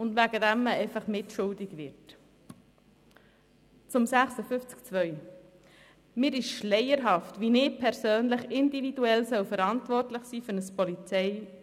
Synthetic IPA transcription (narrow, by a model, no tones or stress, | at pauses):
ʊndvæɡədæmːəɛɪfɑχmɪtʃʊldɪɡʋɪɾt | t͡sʊmsæχsəfʏft͡sk̚t͡sʋœʏ | mɪːɾɪʃʃlɛɪəɾɦɑftʋinɪːpʰɛɾsøːnlɪχɪndividuɛlsœwfəɾɑntvɔrtləχsiːføɾnəspɔlit͡sɛɪ